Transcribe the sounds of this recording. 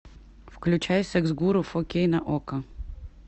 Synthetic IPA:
fklʲʉt͡ɕajʊsʲɐɡzɡuɾʊfɔkʲejnɐʔɔkɐ

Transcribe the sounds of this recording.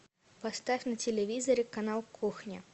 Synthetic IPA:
pɐst̪afʲnɐtʲɪlʲɪvʲizɐɾʲɪkanalˠkʰuxnʲɪ

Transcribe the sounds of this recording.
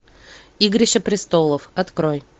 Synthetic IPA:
iɡɾʲɪɕəpɾʲɪst̪olˠəfɐt̪kɾoj

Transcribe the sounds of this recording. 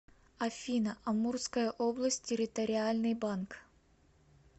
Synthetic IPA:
ɐfʲinəʔɐmurskəjəʔoblˠəsʲt̚ʲːɪɾʲɪt̪əɾʲɪalʲnɨjbank

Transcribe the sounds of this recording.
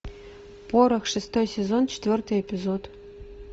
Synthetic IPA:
poɾɤxʂɨst̪ojsʲezont͡ɕɪ̥t̪ʲvʲɵrt̪ɨjepʲizot̪

